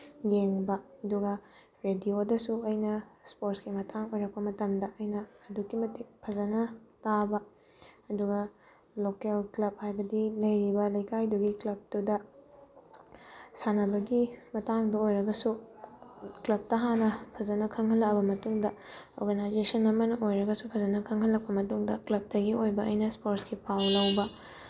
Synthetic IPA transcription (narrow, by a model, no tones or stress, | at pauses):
jeŋbɐɐduɡɐ | ɾediodɐsuɐjnɐspoɾskimɐtʰaŋojɾɐk̚pɐmɐtɐmdɐʔɐjnɐːdukimɐtik̚pʰɐzɐnɐtabɐː | duɡɐ | lokelklɐb̚hajbɐdilɐjɾibɐlɐjkajduɡiklɐb̚tudɐ | sanɐbɐɡimɐtaŋdɐojɾɐɡɐsu | klɐb̚tɐɦanɐpʰɐzɐnɐkʰɐŋɦɐlːɐkɐbɐmɐtuŋdɐo̰ɾɡɐnajzesɐnɐmɐnɐʔojɾɐɡɐsupʰɐzɐnɐkʰɐŋhɐlːɐk̚pɐmɐtuŋdɐklɐb̚tɐɡiojbɐɐjnɐspoɾtskipʰawlɐwbɐ